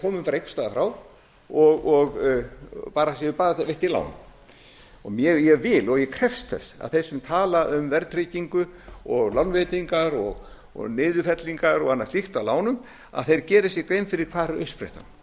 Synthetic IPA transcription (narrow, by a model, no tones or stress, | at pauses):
kʰɔːmʏmpaɾejkst̪aːðfɾaːw | ɔɣɔɣ | paːɾasjɛʏpaːɾavejht̪ːɪla̰ːwnm | ɔɣmjɛjɛvɪlɔɣjɛkʰɾɛfst̪θɛ̰sa̰ðθe̥sːʏmt̪ʰaːlaʏmvɛɾt̪ɾiciŋkʏɔɣlawnveːt̪iŋkaɾɔɣ | ɔ̰ɣnɪːðʏfɛt̪liŋkaɾɔɣanːastliht̪awlaːwnʏm | a̰ðθejɾcɛːɾɪsjɛkɾejmfɪɾɪɾ̥kʰvaːɾɾœɥspɾḛht̪a̰